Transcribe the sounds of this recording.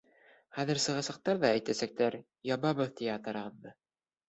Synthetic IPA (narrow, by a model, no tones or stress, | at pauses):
χæðɘɾsɤ̆ʁɑ̆sɑ̆q̚t̪ɑɾðɑæjt̪æsæk̚t̪æɾ | jɑβɑβɤðt̪ijt̪ɤ̆ɾɤ̆ʁɤ̆ðːɤ